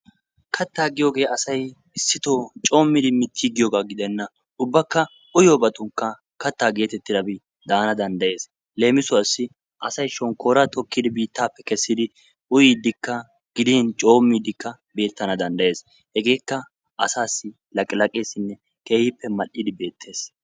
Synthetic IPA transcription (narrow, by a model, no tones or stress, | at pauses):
kʰɐt̪ːaːɡɪjo̞ːɡe̞ːɐsɐj | ɪsːɪt̪oːt͡ʃʼo̞ːmːɪd̪ɪmɪt̪ʰːiːɡɪjoːɡaɡɪd̪ɛnːɐ | ʊbːɐkːɐ | ʊjoːbɐt̪ʊŋkːɐ | kɐt̪ːaːɡe̞ːt̪ɛt̪ːɪd̪ɐbɪ | d̪aːnɐd̪ɐnd̪ɐje̞ːs | le̞ːmɪsʊɐsːɪ | ʔɐsɐjʃɔŋko̞ːɾɐt̪ɔkːɪd̪ɪbiːt̪ːaːpːɛkɛsːɪd̪ɪ | ʊjid̪ːɪkːɐ | ɡ̥ɪd̪iːnt͡ʃʼo̞ːmːɪd̪ɪkːɐ | be̞ːt̪ːɐnɐd̪ɐnd̪ɐje̞ːs | hɛɡe̞ːkːɐ | ɐ̰saːsːɪ | lɐkʼɪlɐkʼe̞ːsɪnːɛ | ke̞ːhɪpːɛmɐʔːɪd̪ɪbe̞ːt̪ʰːe̞ːs